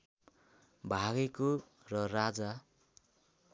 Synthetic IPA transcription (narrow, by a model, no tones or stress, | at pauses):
bʱaɡeko | rʌrad͡za